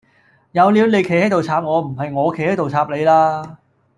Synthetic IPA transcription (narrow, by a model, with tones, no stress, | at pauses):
jɐ˨˧wliː˨˧wne˨˧jkʰe˨˩hɐ˥jt̪o˨wt͡sʰaː˧p̚ŋɔː˨˧m̩˨˩ɦɐ˨jŋɔː˨˧kʰjhɐ˥jt̪o˨wt͡sʰaː˧p̚le˨˧jlaː˧